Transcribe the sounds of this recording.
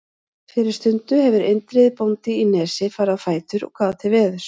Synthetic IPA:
fɪːɾɪɾ̥st̪ʏnt̪ʏɦɛvʏɾejnt̪ɾɪðpownt̪ɪinɛːsɪfaːɾafaːjt̪ʏɾɔ̰ɣkʰvaːðt̪ʰɪvɛːðʏɾ̥

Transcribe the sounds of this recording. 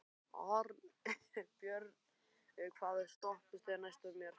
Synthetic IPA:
ɔ̰ɾ | pjœɾð | ɛkʰvaːðɪst̪ɔhpɪst̪ɛnajst̪amjɛɾ̥

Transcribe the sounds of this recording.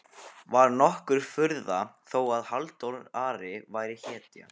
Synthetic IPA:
vaɾnɔhkʏɾ̥fʏɾðaθowaðhalt̪olaːɾɪvaːjɾɪçɛːt̪ja̰

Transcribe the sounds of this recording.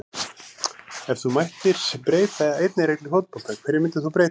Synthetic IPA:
ɛfθumajht̪ɪɾ̥spɾeːjt̪aðejt̪nɪɾejk̪lɪfowt̪pɔlt̪ʰakʰvɛɾjɪmɪnt̪ɪθuawpɾej̪

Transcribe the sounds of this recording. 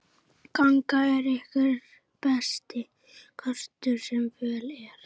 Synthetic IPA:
kaŋkaɛɾɛhkɪ | pɛst̪ɪ | kʰœr̥t̪ʏɾsɛmvɛːlɛɾ̥

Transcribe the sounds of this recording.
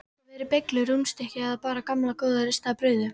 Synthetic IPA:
vɛɾɪpejklʏɾumst̪ɛhcɪaðpaːɾakamlakoːwðaɾɪst̪apɾœːɥðʏ

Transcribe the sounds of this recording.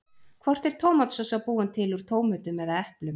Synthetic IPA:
kʰvɔr̥t̪ɛɾ̥t̪ʰoːwmat̪sɔsapuːɪnt̪ʰɪluɾ̥t̪ʰoːwmʏt̪ʏmɛðaɛhplʏm

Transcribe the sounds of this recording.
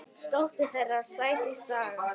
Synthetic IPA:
t̪oht̪ɪ̥θɛrːasaːjt̪isaːɣa

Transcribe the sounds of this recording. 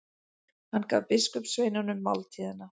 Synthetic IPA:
hanːka̰vpɪskʏpsvejnanʏmːawlt̪ʰiðɪnːa

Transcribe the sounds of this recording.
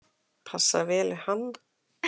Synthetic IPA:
pʰasːa̰veːlɪhand̪

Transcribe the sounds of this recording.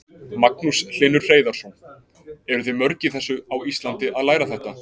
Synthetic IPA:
maknusl̥ɪːnʏɾr̥eːjðaɾ̥sɔn | ɛɾʏθʏmœɾcɪθɛsːʏawist̪lant̪ɪʔaðlaːjɾaθɛht̪a

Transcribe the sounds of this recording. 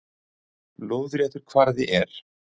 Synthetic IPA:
loːwðɾjɛt̪ʏɾ̥kʰvaɾðɪʔɛɾ̥

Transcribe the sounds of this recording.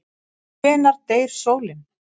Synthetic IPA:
ɛːnaɾt̪eːjɾ̥soːwlɪm

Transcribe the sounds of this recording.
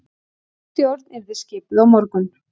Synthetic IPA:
t̪jowɾt̪nɛɾðɪ̥scɪːpɪðawmɔɾkʏn

